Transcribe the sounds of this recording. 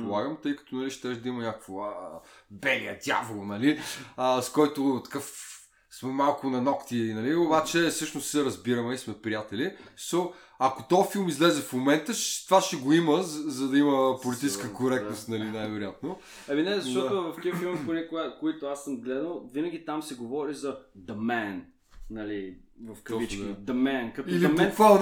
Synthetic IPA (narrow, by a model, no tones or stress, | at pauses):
polˠaɡəmt̪ɤjkɐ̥t̪onɐliʃt̪ɛʒd̪ɐimɐɲʲakə̥kvoəbɛliəd̪ʲja̰vlˠonɐliəskɔjt̪ʊt̪ɐ̥kaf | smɛmalˠkʊnɐnɔkt̪iːnɐliobat͡ʃɛsɤʃnossɛɾɐzbiɾɐmɛismɛpɾijat̪ɛlisɔ | ɐkot̪ɔfilˠmizlɛzɛfmomɛnt̪əʃt̪vaʃɛɡoiməzɐd̪ɐiməpolit̪it͡ʃskəkoɾɛk̚t̪nost̪nɐlinajvɛɾojat̪no | ɛminɛzɐʃt̪ɔt̪ovɐfk̪ʲifilˠmponɛkʊɡakoit̪ʊasəmɡlɛd̪əlˠvinəɡ̟ʲit̪amsɛɡovɔɾizɐd̪ɐmɛn | nɐlivɐfɔit͡ʃkid̪ɐmɛnkt̪ilmnk̪valˠ